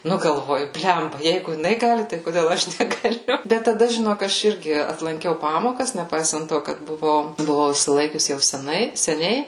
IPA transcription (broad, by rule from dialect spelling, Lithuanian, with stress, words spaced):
ˈnʊ ɡɐlˠˈʋoːjʊ ˈbʲlʲɛmbɐ ˈjɛɪɡʊ jɪˈnɐɪ ˈɡɑːlʲɪ tɐɪ koːˈdʲeːlˠ ˈɐʃ nʲɛɡɐˈlʲʊ ˈbʲɛt tɐˈdɐ ʒʲɪˈnoːk ˈɐʃ ˈɪrʲɡʲɪ ɐtlˠɐŋʲˈkʲɛʊ ˈpɑːmoːkɐs nʲɛˈpɐɪsɐnt ˈtoː kɐt bʊˈʋɐʊ bʊˈʋɐʊ ɪʃʲsʲɪˈlˠɐɪkʲʊs jɛʊ sʲɛˈnɐɪ sʲɛˈnʲɛɪ